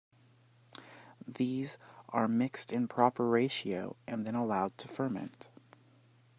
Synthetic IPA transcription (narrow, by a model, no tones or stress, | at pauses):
ðizʔə˞mɪkstɨ̃npʰɹ̥ɑpə˞ɹeɪʃioʊʔɨ̃nðɨ̃ɾ̃əlaʊd̚tʰəfə˞mɛ̰̃nt